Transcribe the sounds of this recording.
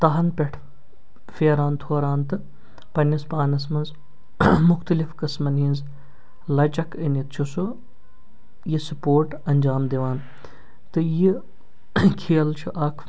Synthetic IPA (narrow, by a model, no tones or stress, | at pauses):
t̪ɐɦɐnpʲɛʈʰ | feːɾaːnt̪ʰoːɾaːnt̪ɨ | pɐnʲɐspaːnɐsmɐnz | mʊxt̪ɐlifkɐsmɐnĩːnz | lɐt͡ʃɐkʰinit̪t͡ʃʰusu | jisupoːɾʈ | ɐnʲd͡ʒaːmd̪eʋaːn | t̪ɨji | kʰiːlt͡ʃʰuʔɐkʰ